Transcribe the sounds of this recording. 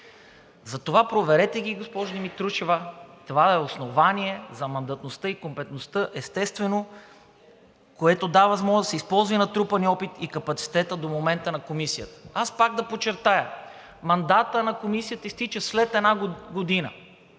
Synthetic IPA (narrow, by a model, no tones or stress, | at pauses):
zɐt̪ovapɾovɛɾɛt̪ɛɡʲiɡospɔʒod̪imit̪ɾuʃɛvət̪ovaɛosnovanʲiɛzɐmɐnd̪ɐt̪nost̪ɤikompɛt̪nost̪ɤʔɛst̪ɛst̪vɛno | koɛt̪od̪avɐzmɔʒɐsɛispɔlˠzvinɐt̪ɾupɐniɔpit̪ikɐpɐt̪si̥t̪ɛt̪əd̪omomɛnt̪ənɐkomisijət̪ə̥aspaɡ̚d̪ɐpot͡ʃːɛɾt̪ajə | mɐnd̪at̪ənɐkomisijət̪əist̪it͡ʃəslɛt̪ɛnaɡɡod̪inə